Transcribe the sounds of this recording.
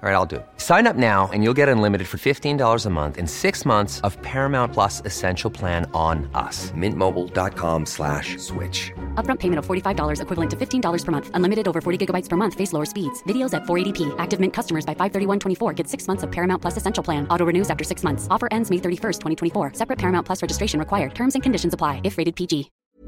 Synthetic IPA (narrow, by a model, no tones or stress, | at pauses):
ɹaɪɾaɪlˠdɨ̰sãɪ̃nʌp̚naʊɨ̰̃njulˠɡɛɾɨ̃nlɪ̃mɨɾɨd̥fə˞fɪftĩndɔlˠə˞zəmʌ̰̃nθɨ̰̃nsɪksmʌ̃nθsʌv̥pʰɛɹmãʊ̃npʰl̥ʌsɨsɛ̃nʃl̩ˠpʰl̥æ̃nə̃nʌ̰smɪ̃nmoʊbl̩ˠdɑ̰t̚kʰɑ̰̃mslæ̰ʃswɪ̰t͡ʃʌpbɹʌ̃mpʰeɪmɨ̃ñtʌv̥fɔɹɾifaɪvdɔlˠə˞zɨkwɪvlˠə̃ntʰɨfɪftʰĩndɔlˠə˞z̥ʰə˞mʌ̃nθə̃nlɪ̃mɨɾɨɾoʊvə˞fɔɹɾiɡɪɡəbaɪtspʰə˞mʌ̃nθfeɪsloʊə˞spidz̥vɪɾioʊzætfɔɹeɪɾipʰiʔæk̚tɨvmɪ̃nkʰʌstəmə˞zbaɪfaɪv̥θɜ˞ɾiwʌ̃ntʰwɛ̃ɾ̃ifɔɹɡɛtsɪksmʌ̃nθsʌv̥pʰɛɹɨmaʊ̃npʰlʌsɨsɛ̃nʃl̩ˠʰl̥æ̃nʔɔɾoʊɹɨnʉzæftə˞sɪksmʌ̃nθsɔfə˞ʔɛ̃ndzmeɪθɜ˞ɾifɜ˞stʰwɛ̃ɾ̃itʰɛ̃ifɔɹsɛpɹɨt̚pʰɛɹɨmãʊ̃npʰl̥ʌsɹɛd͡ʒɨstɹ̥eɪʃɨ̃nɹɨkw̥aɪə˞d̚tʰɜ̃˞mzɨ̃nkʰɨ̃n̩dɪʃn̩zəpʰl̥aɪɨfɹeɪɾɨd̚pʰid͡ʒi